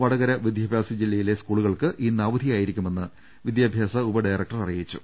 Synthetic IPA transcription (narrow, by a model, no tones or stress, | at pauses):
ʋɐɽɐɣɐɾɐʋid̪ʱjaːbʱjaːsɐd͡ʑilːɐjile̞skuːɭuɣɐɭkɨʔiːnaːʋɐd̪ʱijaːjiɾikʲːume̞nːɨ | ʋid̪jaːbʱjaːsɐubɐɖɐjrɐk̚ʈɐrɐrijit͡ɕːṵ